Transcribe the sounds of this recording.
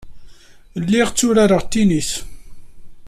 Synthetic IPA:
lːiʁt͡sːʊɾaɾəʁt̪ːiniθ

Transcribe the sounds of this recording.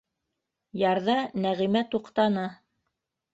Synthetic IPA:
jɑɾðɑnæʁimæt̪uqt̪ɑnɑ

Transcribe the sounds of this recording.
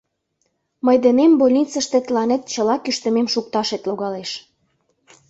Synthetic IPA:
məjd̪enembolʲnit͡sə̆ʃt̪ĕt̪əlɑnet̪̚t͡ɕəlɑkyʃt̪ə̆memʃuk̚t̪ɑʃet̪loɣɑleʃ

